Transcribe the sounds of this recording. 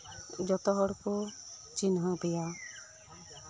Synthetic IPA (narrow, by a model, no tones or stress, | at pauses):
d͡ʒɔt̪ɔɦɔɽkut͡ʃinɦɔbɛja